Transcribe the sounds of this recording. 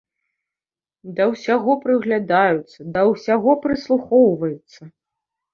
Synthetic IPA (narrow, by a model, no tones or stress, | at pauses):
d̪ɐwsʲaɣɔpɾɨɣlʲad̪ajut̪sːɐd̪ɐwsʲaɣɔpɾɨslˠuxɔwvɐjut̪sːɐ